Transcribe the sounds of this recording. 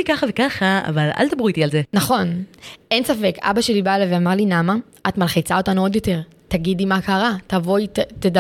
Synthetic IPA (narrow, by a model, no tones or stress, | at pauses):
ikaχavekaχaa̰vala̰ld̪abʁit̪ialzenaχo̞nʔe̞nsafeka̰baʃelibaleveamaʁlinama | atmalχit͡sao̞tanuo̞djo̞te̞ʁ | taɡid̪imakaʁatavo̞jtt̪eda